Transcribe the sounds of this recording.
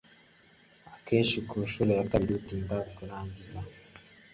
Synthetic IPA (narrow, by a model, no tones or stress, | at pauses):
akeːʃikʰuːʃuːɾejakaβiɾutimbavukunaːɲɟiza